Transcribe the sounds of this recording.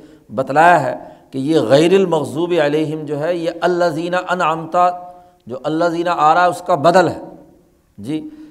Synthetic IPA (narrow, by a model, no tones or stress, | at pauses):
bɐt̪laːjaɦɛ̰ːkejeɣɛɪɾɪlmɐɣzuːbiɐleːɦɪmd͡ʒoːɦɛjeʔɐlːɐziːnaʔɐnʕəmt̪a | d͡ʒoːʔɐlːɐziːnaʔaːɾaːɦɛʊskabɐd̪əlɦɛː | d͡ʒiː